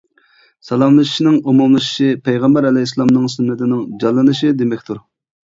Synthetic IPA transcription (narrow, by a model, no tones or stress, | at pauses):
sɑlˠɑmlˠɨʃʃnɪŋumumlˠɨʃɪ̥ʃipʰɛjʁɛmbɛɾɛlɛjslˠɑmnɨŋsynːɪt̪ʰɪnɪŋd͡ʒɑlˠːɨnɨʃid̪emɛkʲt̪ʰuɾ